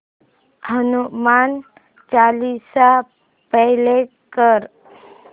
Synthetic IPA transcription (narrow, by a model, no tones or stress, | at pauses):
hənuman | t͡ʃalisa | pəɦle | kəɾ